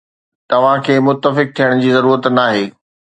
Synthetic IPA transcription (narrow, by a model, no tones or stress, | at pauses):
t̪ɐʋ̤ãkʰeːmʊt̪ːəfɪk̚t̪ʰijəɽ̃d͡ʑiːzɐɾuːɾət̪naːɦeː